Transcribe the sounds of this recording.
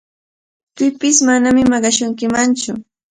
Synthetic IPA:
pɪpɪsmanamɪmɑɢɑʃʊŋkɪmant͡ʃʊ

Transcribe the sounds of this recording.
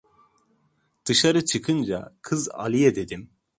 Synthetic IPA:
d̪̥ɯʃaɾɯt͡ʃʰɯkʰɯnd͡ʒa̰kʰɯza̰lʲˠijɛd̪e̞d̪im

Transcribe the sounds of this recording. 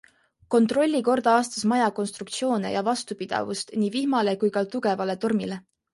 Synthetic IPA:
ko̞nt̪ˑro̞lʲːiko̞rd̪̥ɑɑːst̪ɑsmɑjɑko̞nst̪ɾuk̚t̪sio̞ːne̞̰jɑvɑst̪upid̪̥ɑ̰vust̪niːvihmɑle̞kujkɑt̪uɡe̞vɑle̞t̪o̞rmile̞

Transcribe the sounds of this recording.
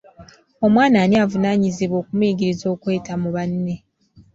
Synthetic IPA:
o̞mwaːnaːniavunaːɲiziβo̞ːkumwiːɡiɾizo̞ːkwe̞ːtamuβanːe̞

